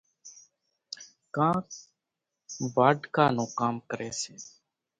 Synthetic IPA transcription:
kãː | baːɖkaːnoːkaːmkəɾeːseː

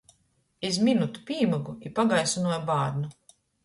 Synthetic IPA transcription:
ezminut̪u̥piːmaɡuipaɡajsunuɔjbaːɾnu

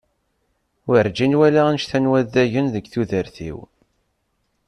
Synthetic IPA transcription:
wəɾd͡ʒinwælæænʃθænwæðæʝənðəɡθuðəɾθḭw

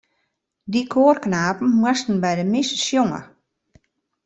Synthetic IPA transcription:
dikʰoːərknaːpn̩mwɛstən̩bɛjdəmɪssjoŋə̰

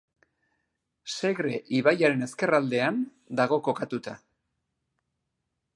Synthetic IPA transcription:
se̞ɣɾe̞ʔiβajaɾe̞ne̞ske̞rald̪e̞an | d̪aɣo̞ko̞kat̪ut̪a

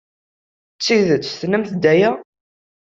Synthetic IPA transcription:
t͡sːiðət͡sːθnəmθd̪æjæ

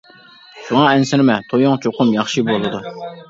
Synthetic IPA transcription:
ʃuŋɑɛnsɪɾɪmɛt̪ʰojoŋt͡ʃʰoqʊmjɑχʃibolˠɨd̪u

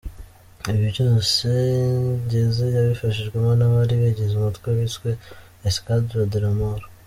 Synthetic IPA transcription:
iβjuɟunse | ɟezejaβifaʃiʒɡwemanaβaɾiβeɟezumatkweβitweː | skadiɾadiɾamaɾo

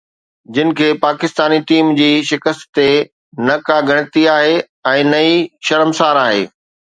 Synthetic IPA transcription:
d͡ʑɪnɪ̆kʰeːpaːkɪst̪aːniʈiːmd͡ʑiːʃɪkəst̪t̪e | nɐkaɡʱɐɽ̃ɪt̪iaːɦe | ɛ̃ːnɐiʃɐɾəmsaːɾaːɦḛː

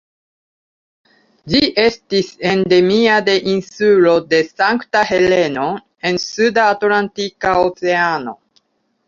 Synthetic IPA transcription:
d͡ʒiʔe̞stise̞nd̪e̞miad̪e̞ʔinsulo̞d̪e̞saŋkt̪ahe̞le̞no̞ | e̞nsud̪aːt̪lantikaot͡se̞ano̞̰

